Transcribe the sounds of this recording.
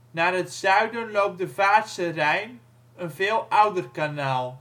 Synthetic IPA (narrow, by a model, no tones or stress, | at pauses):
naːrətsœɥdənlowp̚dəvaːsərɛjn | ənvɪːlˠʌwdərkanaːlˠ